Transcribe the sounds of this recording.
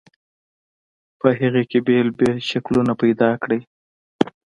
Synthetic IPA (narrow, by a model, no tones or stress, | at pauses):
pəɦiɣekebelbeʃaklunapajd̪ɑkɽəj